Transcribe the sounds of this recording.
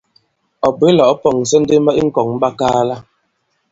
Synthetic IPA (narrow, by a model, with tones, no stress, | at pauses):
ɔ˨be˦lɔ˨ʔpɔ˨ŋ˨sɛ˦n̩˦de˦ma˦ʔi˦ŋ̩˦kɔ˨ŋm˦ba˦kaː˦la˦